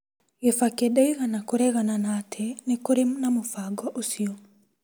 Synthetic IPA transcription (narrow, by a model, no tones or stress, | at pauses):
efakedɛiɣanakoɾɛɣananatʰɛnekoɾemnamofaɡɔʔosiɔ